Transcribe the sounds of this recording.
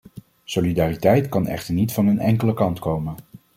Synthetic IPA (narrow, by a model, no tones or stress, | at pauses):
solidaːritɛjtkɑnɛ̰χtəɹnitfɑnənɛŋkələkɑntkowmən